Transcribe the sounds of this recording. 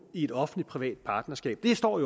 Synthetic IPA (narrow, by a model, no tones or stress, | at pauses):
ie̝d̥ɒ̽fn̩li̥pʰʁiʋɛ̰ːd̥̚pʰɑ̈ːd̥nɐsɡ̥ɛ̰ːb̥̚d̥e̝sd̥ɒ̰ːjo